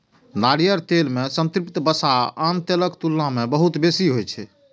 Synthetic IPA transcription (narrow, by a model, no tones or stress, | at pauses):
naɽijəɾt̪elmesənt̪ɾipt̪bəsaant̪eləkt̪ulːamebəɦut̪besiɦojt͡ʃʰɛ